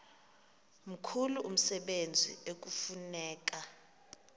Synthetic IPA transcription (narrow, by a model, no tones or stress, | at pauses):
m̩kʰuluʔum̩sɛɓend͡zʱḭek̬ufunɛːk̬a